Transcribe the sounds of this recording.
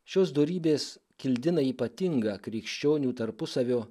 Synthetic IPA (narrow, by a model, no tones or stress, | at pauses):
ʃʲoːsd̪oːɾʲiːbʲeːs | kʲɪlʲd̪ʲɪnɐiːpɐt̪ʲɪŋɡɑːkɾʲikʃʲt͡ʃʲoːnʲuːt̪ɐɾpʊsɐʋʲoː